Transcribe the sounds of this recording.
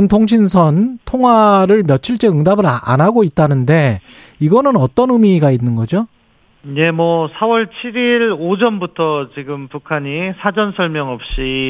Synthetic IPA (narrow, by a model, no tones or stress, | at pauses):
ntʰoŋɕ̬ʰins̬ʰʌntʰoŋɦwaɾɯɭmjʌt͡ɕʰiɭt͡ɕ͈e̞ɯŋdabɯɾaa̰naɡoit̚t͈anɯnde̞ | iɡʌnɯnʌt͈ʌnɯmiɡainːɯnɡʌd͡ʑo | ne̞mwʌsʰawʌɭt͡ɕʰiɾiɭod͡ʑʌnbutʰʌt͡ɕiɡɯmpukʰaɲisʰad͡ʑʌnsʰʌɭmjʌŋʌp̚ɕ͈i